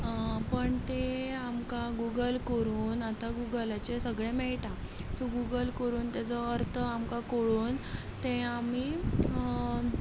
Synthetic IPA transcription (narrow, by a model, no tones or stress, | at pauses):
pəɳt̪eamkaɡuɡəlkəɾuːnat̪aɡuɡəlat͡ɕesəɡɭemɛɭʈa | t͡soɡuɡəlkəɾuːnt̪jat͡sɔəɾt̪ʰəamkakoɭuːn | t̪eami